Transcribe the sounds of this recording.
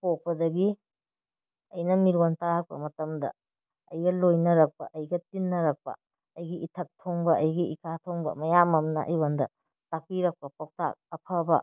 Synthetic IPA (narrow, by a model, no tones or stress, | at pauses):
pok̚pɐdɐɡi | ɐjnɐmiɾontahɐk̚pɐ̰mɐtɐmdɐ̰ | ɐjɡɐlojnɐɾɐk̚pɐʔɐjɡɐtinːɐɾɐk̚pɐ̰ | ɐjɡiʔitʰɐk̚tʰoŋbɐʔɐjɡiikʰatʰoŋbɐ̰mɐjamɐmnɐ̰ʔɐ̰jwandɐ | tak̚piɾɐk̚pɐpok̚ta̰k̚ɐpʰɐbɐ̰